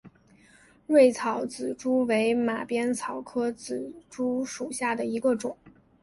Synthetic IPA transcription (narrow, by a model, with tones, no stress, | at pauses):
ɻwe˥˩ɪt͡sʰɑ˨˩˥ʊt͡sɹ̩˨˩ʈ͡ʂu˥we˧˥ɪma˨˩pjɛ˥nt͡sʰɑ˨˩ʊkʰɤ˥t͡sɹ̩˨˩ʈ͡ʂu˥ʂu˨˩ɕja˥˩d̪ə˩i˧˥ɡə˧ʈ͡ʂʊ˨˩˦ŋ